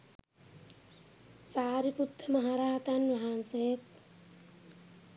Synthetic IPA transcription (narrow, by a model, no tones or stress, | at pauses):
saːɾiput̪ːɐmɐɦaɾaːt̪ɐnʋɐɦanset̪